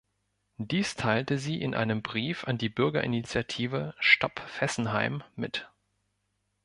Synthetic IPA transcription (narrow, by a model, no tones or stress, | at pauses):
d̥iːstʰaɪltəziːʔɪ̰nʔa̰ɪnəmbʁiːfandiːbʏɐɡɐʔɪnit͡sjatʰiːvəʃtɔpfɛsn̩ɦaɪmːɪt